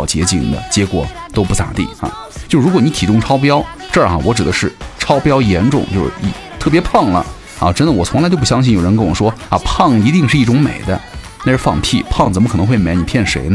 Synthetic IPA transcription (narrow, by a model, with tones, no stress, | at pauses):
ʊt͡ɕjɛ˧˥t͡ɕḭ˨˩ŋd̪ə̰˦t͡ɕjɛ˧˥kwɔ̰˨˩t̪o˥ʊpu˥˩t̪a̰˨˩t̪ḭ˥˩ɐ̰˨˩ | t͡ɕt͡ɕjo˥˧ʂɻu˧˥kwɔ˧˦ni˧˥t̪ʰi˨˩kʊ˥ŋʈ͡ʂʰɑ˥ʊp̬jɑ˥ʊ | ʈ͡ʂxa̰˨˩wɔ˧˥ʈ͡ʂɻ̩˨˩d̪ə˦ʂɻ̩˥˩ʈ͡ʂʰɑ˥ʊpjɑ˥ʊjɛ˧˥nʈ͡ʂʊ̰˥˩˦ŋt͡ɕjo˥˧ʊʂɻ̩̰˥˩ḭ˧˩ | t̪ʰɤ˥˩pjɛ˧˥pʰɑ˥˩ŋlə̰˩ | ɐ̰˧˩ʈ͡ʂə˥nd̪ə˨wɔ˨˩t͡sʰʊ˧˥ŋa˧˥t͡ɕjo˥˧ʊp̬u˥˩ɕjɑ˥ŋɕi˥˩jo˨˩ʊɻə˧˥kɤ˥˩wɔ˨˩ʂwɔ˥ɐ˧˩pʰɑ˥˩ŋi˧˥t̪i˥˧ŋʂɻ̩˥˧i˥˩ʈ͡ʂʊ˧˥ŋmḛ˨˩ɪd̪ə̰˦ | na˥˧ʂɻ̩˥˧fɑ̰˥˧ŋpʰi˥˩pʰɑ˥˩ŋt͡sə˨˩nmə˥kʰɤ˨˩nɤ˧˥ŋxwe˥˩ɪme˧˥ɪni˨˩pʰjɛ˥˩nʂḛ˧˥ɪnə˧